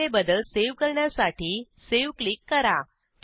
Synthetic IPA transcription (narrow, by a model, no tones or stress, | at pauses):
ebəd̪əlseʋkəɾɳjasaʈʰiː | seʋklikːəɾa | t̪